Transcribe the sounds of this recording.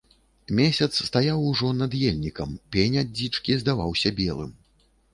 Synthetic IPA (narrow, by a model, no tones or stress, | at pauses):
mʲesʲɐt̪sst̪ajawuʐɔnɐd̪jelʲnʲikɐmpʲenʲad͡zʲːit͡ʂkʲizd̪avawsʲɐbʲɛlˠɨ̰m